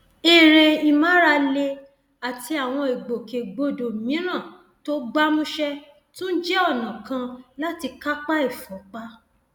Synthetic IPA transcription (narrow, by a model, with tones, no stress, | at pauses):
e˨ɾe˨i˨mã˨˦ɾa˧le˧ | a˨ti˧a˨w̃ɔ̃˧e˨ɡ͡bo˨ke˨ɡ͡bo˧˨do˨mĩ˨˦ɾ̃ã˦˨ | to˦ɡ͡ba˦mũ˦ʃɛ˦ | tũ˦n̩˦d͡ʒɛ˦ɔ˦˨nã˨kã˧la˦ti˧ka˦k͡pa˦e˦˨fɔ˨˦k͡pa˦